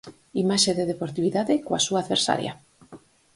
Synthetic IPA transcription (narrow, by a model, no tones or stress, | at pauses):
imaʃeðeðepoɾt̪iβiðaðɪkoasuaːðβeɾsa̰ɾja̰